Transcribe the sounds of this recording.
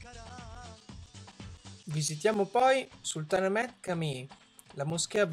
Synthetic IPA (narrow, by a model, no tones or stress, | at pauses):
vizit̪̬jamopɔjsult̪anamɛt̪̚kami | lamusk̟eab